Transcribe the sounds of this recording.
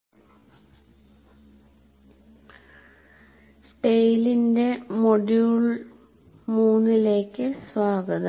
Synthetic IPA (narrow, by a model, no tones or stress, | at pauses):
sʈejlinde̞moɖjuɭ | muːnːile̞ːkːɨsʋaːɡɐðɨ